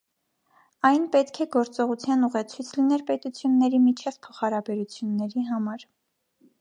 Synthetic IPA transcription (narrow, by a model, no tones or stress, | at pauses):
ɑjnpɛt̪kʰɛɡɔɾt͡sɔʁut͡sʰjɑnuʁɛt͡sʰit͡sʰlinɛlpɛt̪ut͡sʰjunːɛɾimit͡ʃʰɛvpʰɔχɑɾɑbɛɾut͡sʰjunːɛɾiɦɑmɑɾ